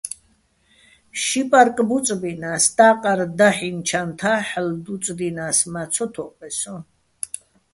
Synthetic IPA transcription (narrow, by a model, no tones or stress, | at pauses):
ʃipʼaɾkʼbut͡sʼbinast̪ʼaːqʼaɾd̪aħint͡ʃʰant̪ʰaħld̪ut͡sʼb̪inasmat̪sʰɔt̪ʰɔpʼɛsɔ